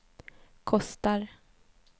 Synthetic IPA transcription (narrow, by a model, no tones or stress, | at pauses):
kʰɔst̪aɾ